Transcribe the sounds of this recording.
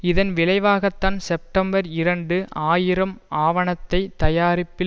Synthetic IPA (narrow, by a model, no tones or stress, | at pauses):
ɪðɐnʋɪlɐɪʋaːɣɐt̪ːaːnsɛp̚ʈɐmbɐɾɪɾɐɳɖɯʔaːjɪɾɐmaːʋɐɳɐt̪ːɐɪt̪ːɐjaːɾɪpːɪ